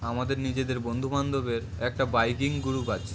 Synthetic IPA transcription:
amad̪eɾnid͡ʑed̪eɾbond̪ʱumand̪obeɾ | ɛk̚ʈabajkiŋɡuɾuba

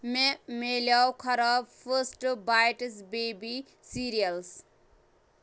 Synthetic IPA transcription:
memeljawkʰʌɾabpʰəsʈbajʈsbebi | siɾijəls

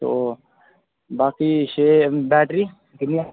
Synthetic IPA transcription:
t̪oː | baːkiːʃeːbɛːʈɾiː | kɪnia

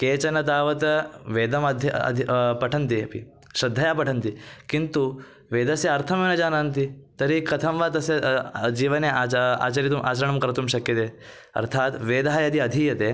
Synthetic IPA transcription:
keːt͡ʃɐnɐt̪aːʋɐt̪ɐʋeːd̪ɐmɐd̪ʱɐ̰d̪ʱipɐʈʰɐnt̪iɐ̰pḭ | ʃɾɐd̪ʱːɐjaːpɐʈʰɐnt̪ikint̪u | ʋeːd̪ɐsjɐɐɾt̪ʰɐmeːnɐd͡ʒaːnaːnt̪̬it̪ɐɾikɐt̪ʰɐmʋaːt̪ɐsjɐd͡ʒiːʋɐneaa̰ːt͡ʃɐɾit̪̬umʔa̰ːt͡ʃɐɾɐɳɐmkɐɾɐt̪umʃɐkjɐt̪eː | ɐ̰ɾt̪ʰaːt̪ʋeːd̪aɦajɐd̪ʱiɐd̪ʱiːjɐt̪eː

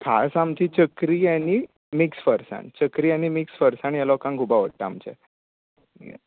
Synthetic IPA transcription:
kʰa̰samt͡ɕit͡ɕəkɾiɛni | miksfəɾsa̰ɳt͡ɕəkɾianimiksfəɾsaɳɛlɔkãŋkʰubaʋəʈʈəamt͡ɕɛ̰

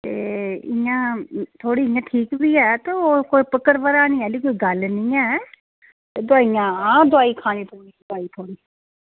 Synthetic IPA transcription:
t̪ḛːɪ̰jãːt̪ʰoːɽiːɪjãːʈʰiːkbiːɛːt̪eːoːkoːipəkəɾʋəɾaːnĩːɛːliːkoːiːɡəlnĩːɛː | t̪eːd̪ʊaːijãːãːd̪ʊaːiːkʰaːniːt̪ʰoːniːd̪ʊaːiːt̪ʰoːniː

